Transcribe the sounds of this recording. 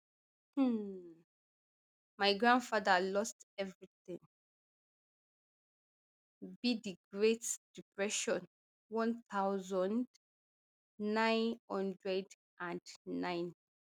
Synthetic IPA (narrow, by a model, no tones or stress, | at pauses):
h̩ | majɡɹãndfaðəlɔstɛvɹiθɪ̃ŋ | bidiɡɹetd̥ipɹɛʃɔ̃n | wɔ̃nθawzɔ̃nd | nãɪ̃nhɔ̃ndɹɛd | ʔãndːãɪn